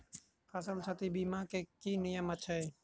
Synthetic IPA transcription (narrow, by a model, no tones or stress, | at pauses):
fʰəsəlt͡ʃʰət̪ibiːmãːkeːkiːnɪjəmət͡ʃʰe